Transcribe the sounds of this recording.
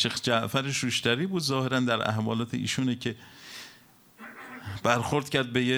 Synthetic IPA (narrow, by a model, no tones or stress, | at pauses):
ʃexd͡ʒæʔfæɾeʃuʃt̪æɾiːbuːd̪zɒːheɾænd̪æɾʔæ̰hvɒːlɒːt̪ʰḛʔḭːʃuːnecʰe | b̥æɾxoɾd̪̥cʰæɾd̪̚beje